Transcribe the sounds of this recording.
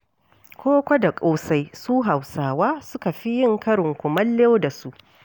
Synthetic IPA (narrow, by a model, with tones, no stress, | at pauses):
kʷʰoː˦kʷɐ˦da˨kʷʼoː˦sa˦jsuː˦ɦa˨wsaː˨waː˦sʊ˦ka˨ɸi˦jɪ˦ŋkɐ˦ɽɪ˨ŋkʷʊ˨mɐ˦lːe˦da˨su˦ʔ